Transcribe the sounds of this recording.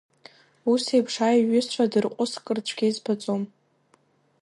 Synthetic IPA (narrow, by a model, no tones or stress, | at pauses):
usejpʰʂaiɥʏst͡ɕʷʰadɨrqʷʼʊskʼɨrt͡ɕʷʰɡʲejzpʰat͡sʷʼom